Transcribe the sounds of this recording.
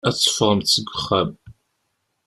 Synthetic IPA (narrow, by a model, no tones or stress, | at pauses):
æt͡sːə̥fʁˤəmt͡sːəɡʷːʊχæm